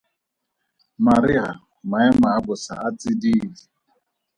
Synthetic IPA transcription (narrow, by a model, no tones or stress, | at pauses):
maɾiɣa | maɛmaːbʊsa̰at͡sʼidiːdi